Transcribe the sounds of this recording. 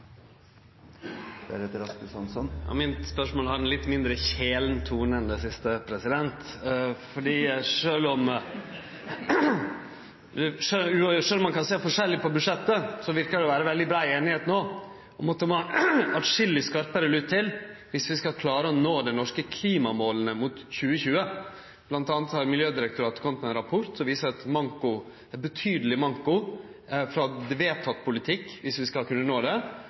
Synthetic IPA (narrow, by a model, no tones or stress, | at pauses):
ɛ̰ɾet̪əɾɑspəsɑnsɔnɑ̰mɪnspœʂmoːlhɑɖɛnlɪt̪ːmɪnd̪ɾəçeːlnt̪ʰuːnɛnd̪ɛsɪst̪əpʰɾɛsɪd̪ɛnt̪fɔɖiːʂøːlɔm | d̪ɛʂøʉʂøːlɔmɑnkʰɑnseːfɔʂɛlːɪpʰɔbʉd̪ʂɛt̪ːəsɔʋɪɾkəɖɛɔʋæːɾəʋɛld̪ɪbɾɑːɪeːnɪheːt̪noː | ʔɔmɑt̪d̪ɛmoɑt̪ʂɪlːɪskɑɾpəɾəlʉːt̪ʰːɪlʋɪsʋɪskɑlkʰlɑːɾəɔnoːd̪ɛnɔʂkəkʰliːmɑmoːlənəmʊt̪çʉːəçʉːə | blɑnt̪ɑːnət̪hɑɾmɪljøːd̪ɪɾək̚t̪ʊɾɑːt̪kʰɔmːət̪mɛnɾɑpʰʊɾt̪sɔʋiːsəɾɑt̪mɑŋkʊ | æɾbət̪ʰyːd̪əlɪmɑŋkʊ | fɾɑd̪ʋeːt̪ʰɑt̪ːpʰʊlɪt̪ʰɪkːʋɪsʋɪskɑkʰʉnːənoːd̪ɛ